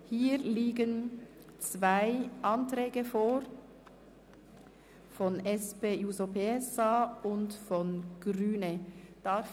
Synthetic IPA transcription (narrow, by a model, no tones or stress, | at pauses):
hiːɾliːɡən | t͡svaɪʔɑntʁɛːɡəfoːɾ | fɔnɛspeːʔuzopʰeɛsaʊntfɔnɡ̥ʁyːnəd̥a